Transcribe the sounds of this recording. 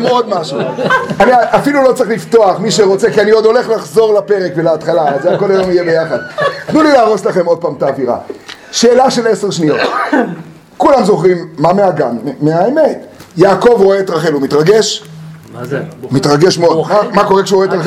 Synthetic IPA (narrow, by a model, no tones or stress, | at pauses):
meod̪maʃuaniaʔafilulo̞t͡seχlift̪o̞aχmiʃe̞ʁo̞t͡se̞kianiod̪o̞le̞χlaχzo̞ʁlape̞ʁekvelaat̪χalaazeako̞lajomijebe̞jaχad̪̚tnulilaːʁo̞slaχemo̞d̪̚paːmt̪aːviʁa̰ʃe̞ːlaʃe̞le̞se̞ʁʃnio̞t | kulamzo̞χʁimːameaɡa̰nmeaeme̞t̪jaːko̞vʁo̞eːt̪ʁaχelumit̪ʁaɡe̞ʃ | mit̪ʁaɡe̞ʃmeodamako̞ʁekʃeuʁetʁa